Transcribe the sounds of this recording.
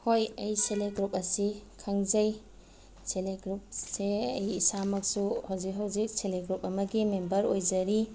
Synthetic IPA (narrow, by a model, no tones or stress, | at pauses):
hojɐjseleɡɾup̚ɐsikʰɐŋzɐj | seleɡɾup̚seɐ̰jisamɐk̚suhawzik̚ɦawzik̚seleɡɾupɐmɐɡimembɐɾojzɐɾi